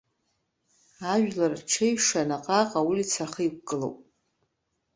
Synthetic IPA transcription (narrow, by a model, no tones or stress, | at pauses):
aʒᶣlarʈ͡ʂʰejʂanaqʼaqʼawulit͡sʰaχəik̚ʷkʼɨlo̰wpʼ